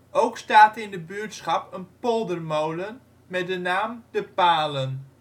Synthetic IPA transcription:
owkstaːtɪndəbyːtsχɑpənpɔlˠdərmowlən | mɛt̚dənaːmdəpaːlən

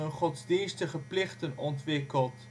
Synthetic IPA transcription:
ənχɔtzdinstəχəplɪχtənɔntʋɪkəlˠt

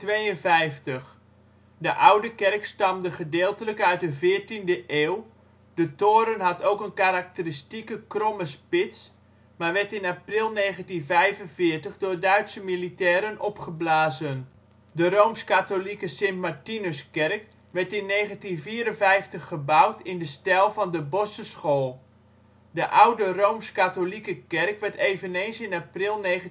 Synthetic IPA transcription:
tʋejənvɛjftəχ | dəʔawdəkɛrkstɑmdəχədeːlˠtələkœɥt̚dəvɪːərtindəʔeːw | dətoːɾənɦɑtowkənkaɾak̚təristikəkroməspɪts | maʋɛrtɪnaprɪlˠneːɣəntinvɛjvənvɪːrtəχdʊːrdœɥtsəmilitɛːɾənʔɔpχəblaːzən | dərowmskatolikəsɪmtmartinøskɛrk | ʋɛtɪnːeːɣəntinviːɾənvɛjftəχːəbawtʰɪndəstɛlˠvɑndəbɔsəsχoːlˠ | dəʔawdərowmskatolikəkɛrkʋɛrtejvənejnsɪnaprɪlˠneː

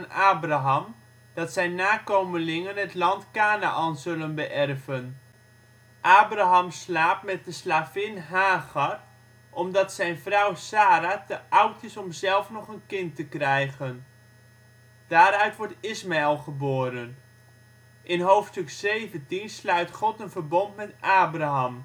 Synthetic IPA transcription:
naːbraɦɑm | d̥ɑtsɛjnːaːkowməlɪŋənɦətlɑntkaːnaʔɑnzɵlənbəʔɛrvən | ʔaːbraɦɑmslaːpmɛt̚dəslaːvɪnɦaːɣɑr | ʔɔmdɑtsɛjnvrɔwsaːɾatəʔʌwtɪsɔmzɛlˠfnɔχənkɪntəkrɛjχən | d̥aːɾœɥtʋɔɹtɪsmaɛlˠχəboːɾən | ʔɪnɦowftstɵksejvəntinslœɥtχɔtənvərbɔntmɛtʔaːbraɦɑm

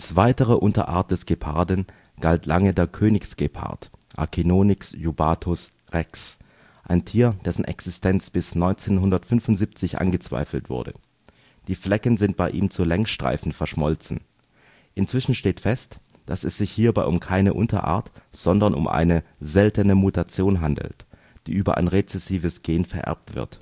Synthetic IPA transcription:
t͡sv̥aɪtəʁəʔʊntɐ̰ʔa̰ːɐt̚d̥ɛsɡ̥epʰa̰ɐdən̩ | ɡ̥altlaŋədeːɐkʰøːnɪksɡ̥epʰa̰ɐtʔa̰ɐkʰinoːnɪksjubaːtʰʊs | ʁɛks | ʔaɪntʰiːɐd̥ɛsn̩ʔɛ̰ksɪstʰɛnt͡sb̥ɪsnɔʏnt͡seːnɦʊndɐtfʏnfʊntz̥iːp̚t͡sɪçʔa̰nɡət͡sv̥a̰ɪfl̩tv̥ʊ̰ɐdə̰ | d̥iːflɛkənzɪnt̚b̥aɪʔḭːmt͡sulɛŋsʃtʁ̥a̰ɪfn̩fɛɐʃmɔlt͡sn̩ | ʔɪnt͡sv̥ɪʃn̩ʃteːtfɛst | d̥asɛsz̥ɪçhiːɐbaɪʔʊmkʰaɪnəʔʊntɐ̰ʔa̰ːɐtz̥ɔndɐnʊ̰mʔa̰ɪnəzɛltənəmutat͡sjoːnɦandl̩t | d̥iːʔyːbɐ̰ʔa̰ɪnʁet͡sɛsiːvəsɡ̥eːnfɛɐʔɛ̰ɐp̚tv̥ɪ̰ɐt

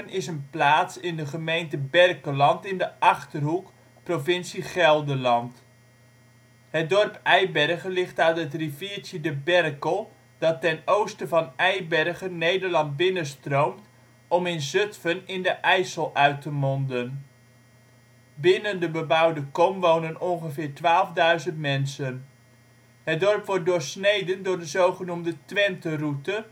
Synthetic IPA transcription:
ənɪsənplaːtsɪndəχəmejntəbɛrkəlɑntɪndəʔɑχtərɦuk | provɪnsiχɛlˠdəlɑnt | hət̚dɔrpɛjbɛrχəlɪχtœɥtɦətrivɪːtjədəbɛrkəlˠ | d̥ɑtːɛnowstəvɑnɛjbɛrχənːejdərlɑnt̚bɪnəstrowmt | ɔmɪnzøtfənɪndəʔɛjsəlˠʔœɥtəmɔndən | bɪnəndəbəbɑwdəkɔmʋownənɔnχəvɪːɹtʋaːlˠvdœɥzəntmɛnsən | ɦət̚dɔɹpʋɔɹt̚dʊːɹsnejdəndʊːɹdəzowχənumdətʋɛntərutə

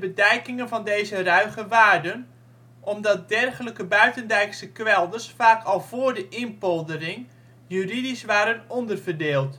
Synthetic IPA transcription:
bədɛjkɪŋənvɑndejzərœɥχəʋaːrdən | ʔɔmdɑt̚dɛrχələkəbœɥtəndɛjksəkʋɛlˠdərsfaːkʰɑlˠvʊːrdəʔɪnpɔlˠdərɪŋ | jyridisʋaːɾənɔndərvərdɪːlˠt

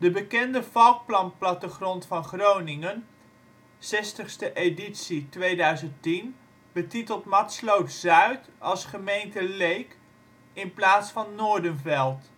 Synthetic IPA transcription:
dəbəkɛndəfɑlˠk̚plɑnplɑtəχrɔntfɑnχrownɪŋən | sɛstəχstəʔeditsitʋejdœɥzəntin | bətitəlˠtmɑtslowtz̥œɥtɑlˠsχəmejntəlejk | ɪnplaːtsfɑnːʊːɹdənvɛlˠt

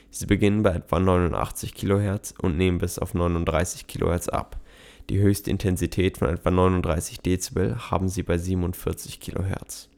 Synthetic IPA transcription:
z̥iːbəɡɪnənbaɪʔɛtv̥anɔʏnʊntʔa̰χt͡sɪçkʰiːloɦɛɐt͡sʔʊntneːmənbɪsaʊfnɔʏnʊntd̥ʁaɪsɪ̥çkʰiːlo̰hɛɐt͡sʔa̰p | d̥ḭːɦøːçstəʔɪ̰ntʰɛnzitʰɛːtfɔnʔɛtv̥anɔʏnʊntd̥ʁaɪsɪçd̥eːt͡sibəlha̰ːbm̩ziːbaɪziːbmʊntfɪɐt͡sɪçkʰiːlo̰ɦɛ̰ɐt͡s

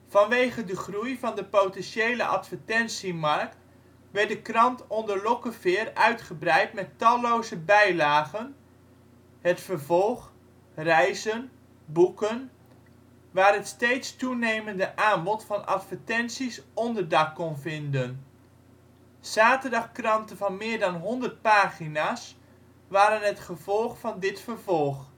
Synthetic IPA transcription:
v̥ɑnʋejχədəχrujvɑndəpowtɛnʃejlə̰ʔɑ̰tfəɹtɛnsimɑrkt | ʋɛdəkrɑntɔndəɹlɔkəvɪːrœɥtχəbrɛjtmɛtɑlowzəbɛjlaːχən | ɦətfəɹvɔlˠχ | rɛjzən | bukən | ʋaːrɦətstejtstunejməndəʔaːnbɔtfɑnʔɑ̰tfəɹtɛnsisɔndəɹdɑkːɔnvɪndən | saːtərdɑχkrɑntənvɑnmɪːɹdɑnɦɔndəɹt̚paːχinaːs | ʋaːɾənətχəvɔlˠχfɑndɪtfərvɔlˠχ

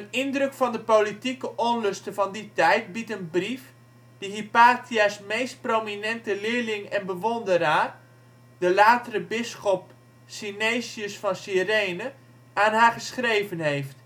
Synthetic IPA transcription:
ənɪndrɵkfɑndəpolitikəʔɔnlɵstəvɑnditɛjt̚bitənbrif | d̥iɦipaːtʰiasmejst̚prominɛntəlɪːɹlɪŋɛnbəʋɔndəɾaːr | dəlaːtərəbɪsχɔp | sinejsiəsfɑnsirejnə | aːnɦaːχəsχrejvənɦejft

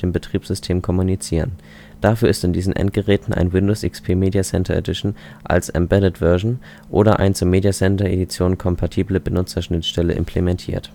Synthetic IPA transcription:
d̥eːmbətʁ̥iːpz̥ʏstʰeːmkʰɔmunit͡siːʁ̞ən | d̥afyːɐɪstɪndiːzn̩ʔɛ̰nt̚ɡ̥əʁɛːtn̩ʔa̰ɪnwɪndoːsʔɪkspʰeːmeːdjasɛntʰɐḛdɪʃn̩ | ʔa̰lsʔɛ̰mbɛdətv̥œɐʒn̩ | ʔo̰ːɾɐʔa̰ɪnt͡suːɐmeːdjasɛntɐḛdit͡sjoːnkʰɔmpʰatʰiːbləbənʊt͡sɐʃnɪtʃtɛlə̰ʔɪ̰mpʰlemɛntʰḭːɐt

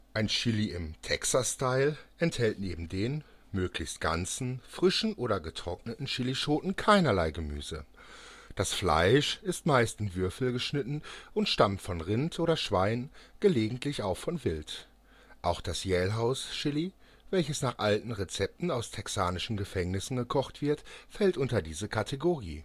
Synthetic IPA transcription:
ʔaɪnʃɪliɪmtʰɛksastaɪlʔɛnthɛltneːbm̩deːn | møːklɪçst̚ɡ̥a̰nt͡sn̩fʁ̥ɪʃn̩ʔoːɾɐɡətʁ̥ɔk̚nətn̩ʃɪliʃoːtn̩kʰaɪnɐlaɪɡəmy̰ːzə | d̥asfla̰ɪʃɪstmaɪstɪmvʏɐfl̩ɡəʃnɪtn̩ʔʊntʃtamtfɔnʁɪntʔoːɾɐʃv̥aɪnnɡ̥əleːɡŋ̩tʰlɪçaʊxfɔnvɪlt | ʔaʊxd̥asjɛːlɦaʊsʃɪli | vɛlçəsnaːχʔaltn̩ʁet͡sɛp̚tn̩aʊstʰɛksaːnɪʃn̩ɡəfɛŋnɪsn̩ɡəkʰɔχtv̥ɪɐtfɛltʔʊntɐdiːzəkʰatʰeɡoʁḭː

